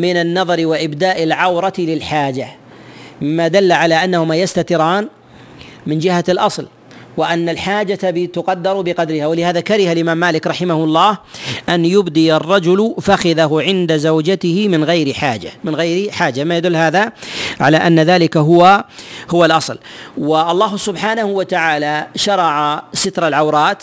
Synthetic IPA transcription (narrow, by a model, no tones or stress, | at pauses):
mɪnanːɑðˤɑɾwaʔɪbd̪aːʔɪlʕawɾˤɑt̪lɪlħaːd͡ʒa | mɪmːad̪alːaʕalaʔanːahʊmajast̪at̪ɪɾaːn | mɪnd͡ʒɪhalʔɑsˤl | wɪʔanːalħaːd͡ʒat̪abɪt̪ʊqɑd̪ːɑɾˤbɪqɑd̪ɾɪhawɪlɪhaːðakaɾɪhalʔɪmaːmːaːlɪkɾˤɑħɪmahʊɑlˤːɑːhʔanjʊbd̪ijɑrˤːɑd͡ʒʊlʊfaxɪðaɦʊʕɪnd̪azawd͡ʒat̪ɪhɪmɪnɣajɾɪħaːd͡ʒa̰mɪnɣajɾiħaːd͡ʒamajad̪ʊlːɦaːðaʕa̰laːʔanːaðaːlɪkaɦʊwahʊwalʔɑsˤlwɪʔɑlˤːɑːɦsʊbħaːnahʊwat̪aʕaːlaʃɑɾˤɑʕasɪt̪ɾˤalʕawɾˤɑːt̪